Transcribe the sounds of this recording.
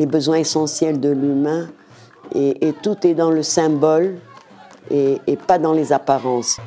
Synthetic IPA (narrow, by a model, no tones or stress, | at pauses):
lebəzwɛ̃esɑ̃sjɛld̪əlymɛ̃ | eʔet̪ut̪ɛd̪ɑ̃ləsɛ̃bɔl | eepad̪ɑ̃lezapaʁɑ̃s